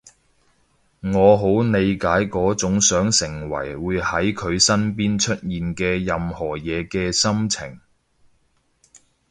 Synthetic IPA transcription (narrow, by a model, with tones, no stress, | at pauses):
ŋɔː˨˧ɦo˨˥wne˨˧jkaː˨˥jkɔː˨˥t͡sʊ˨˥ŋsœː˨˥ŋsɪ˨˩ŋwɐ̰˨˩jwuː˨˧jhɐ˨˥jkʰɵ˨˧ɥsɐ˥np̬iː˥nt͡ʃʰɵ˥t̚jiː˨nkɛː˧jɐ˨mhɔː˨˩jɛː˨˧kɛː˧sɐ˥mt͡sʰɪ̰˨˩ŋ